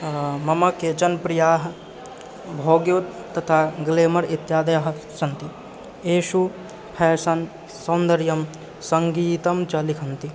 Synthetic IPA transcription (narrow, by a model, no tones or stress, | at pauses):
mɐmɐket͡ʃɐnpɾijaːɦɐ̆ | bʱoːɡjoːt̪t̪ːɐt̪ʰaːɡleːmɐɾit̪jaːd̪ɐjɐɦɐsɐnt̪i | eːʃu | pʰɛːsɐn | sɐːnd̪ɐɾjɐm | sɐŋɡiːt̪ɐmt͡ʃɐlikʰɐnt̪i